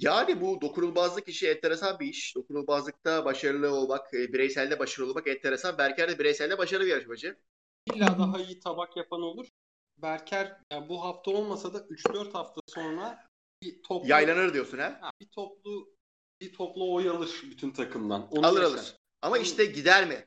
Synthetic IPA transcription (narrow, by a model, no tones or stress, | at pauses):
jaːnibud̪o̞kʰuɾulˠbazlˠɯkʰiʃiɛt̪ʰːeɾesanbiiʃd̪o̞kʰuɾulˠbazlˠɯk̚t̪ʰabaʃaɾɯlˠɯo̞lˠmakɯːbiɾɛjsælʲd̪ɛbaʃaɾɯo̞lˠmakɛt̪ʰːeɾesabæɾcʰæɾd̪ɛbiɾejsælʲd̪ɛbaʃaɾɯlˠɯijaɾʃabad͡ʒɯ | bilʲːaːd̪aɦaijit̪ʰabakjapʰano̞lˠuɾ̥ | bæɾcʰæɾjabuɦaft̪ʰao̞lˠmasad̪aʔyt͡ʃd̪øɾt̪haft̪ʰaso̞nɾa | bit̪ʰopjajjlˠanɯɾd̪ijo̞ɾsunhɛhbit̪ʰoplˠu | bit̪ʰoplˠuojalˠɯɾ̥byt̪ʰynt̪ʰakʰɯmd̪a̰noalˠɯɾalˠɯɾɾ̥ | amaiʃt̪ʰɛɟid̪æɾmɪ